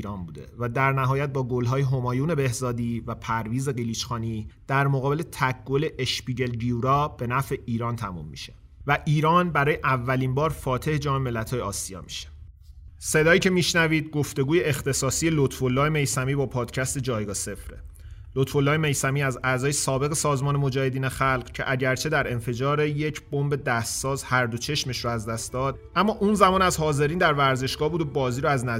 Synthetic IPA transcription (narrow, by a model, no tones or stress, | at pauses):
iɾɒːnbuːd̪e̞̰væd̪æɾnæɦɒːjæt̪̚bɒːɡolɦɒːjeɦo̞mɒːjuːne̞be̞hzɒːd̪iːvæpʰæɾviːze̞ɢiliːt͡ʃxɒːniːd̪̥æɾmoɣɒːbe̞le̞t̪ʰækɡole̞ʔeʃpiɟe̞lɡiuɾɒːb̥e̞næfe̞ʔiːɾɒːnt̪ʰæmṵmːḭʃe̥ | væʔiːɾɒːnbæɾɒːjeʔævːæliːnbɒːɾfɒːt̪ʰe̞hed͡ʒɒːme̞me̞lːæt̪ʰhɒːjeɒːsiɒ̰ːmi̥ʃe̥ | se̞d̪ɒːjiːcʰe̞miːʃnæviːd̪̚ɡo̞ft̪e̞ɡuːje̞ːxt̪e̞sɒːsije̞lot̪ʰvolːɒːjeme̞jsæmiːbɒːpʰɒːd̪̥cʰæst̪e̞d͡ʒɒːjɡɒːse̞fɾe | lot̪ʰfo̞lːɒːjeme̞jsæmiːæzæzɒːje̞sɒːbe̞ɣe̞sɒːzmɒːnemo̞d͡ʒæːhe̞d̪iːnexælɢcʰe̞̰ʔæɟæɾt͡ʃʰe̞d̪æɾe̞nfe̞d͡ʒɒːɾejecʰb̥o̞mbe̞d̪æːst̪sɒːzhæɾd̪o̞t͡ʃʰe̞ʃme̞ʃɾoæzd̪æst̪d̪ɒːd̪̥̚ | ʔæmːɒːʔuːnzæmɒːnæzhɒːze̞ɾiːnd̪æɾvæɾze̞ʃɡ̥ɒːbuːd̪obɒːziːɾoæznæ